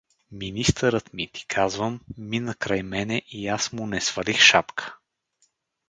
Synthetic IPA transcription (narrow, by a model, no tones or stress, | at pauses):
minist̪əɾət̪mit̪i̥kʰazvəmːinəkɾajmɛnɛʔiasmʊnɛsv̥ɐlixʃapkʰə̥